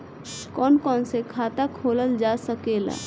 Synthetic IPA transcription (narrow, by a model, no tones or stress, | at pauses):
kɔːnkɔːnsekʰaːt̪akʰoːləld͡ʒaːsəkeːla̰ː